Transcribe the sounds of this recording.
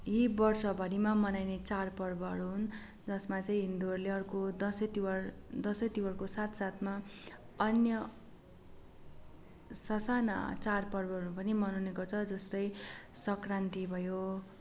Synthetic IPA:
ɦibʌrsʌbʱʌɽimamʌnajnet͡sarpʌrbʌɦʌɾuɦun | d͡zʌsmat͡saĩɦind̪uʌrleʌrkod̪ʌsʌt̪iwʌrd̪ʌsʌt̪iwʌrkosat̪ʰsat̪ʰma | ʌnjʌ | sʌsana̰t͡sarpʌrbʌɦʌɾupʌnimʌnoneɡʌrt͡sʰʌd͡zʌst̪ʌjsʌkrant̪ibʱʌjo

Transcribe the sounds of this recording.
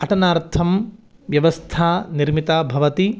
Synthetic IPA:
ɐʈɐnaːɾt̪ʰɐm | ʋjɐʋɐst̪ʰaːniɾmit̪abʱɐʋɐt̪i

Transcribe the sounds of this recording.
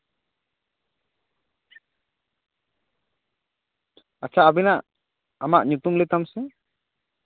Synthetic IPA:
at͡ʃʰaʔabɛnaʔ | amaʔɲut̪umlet̪amsɛ

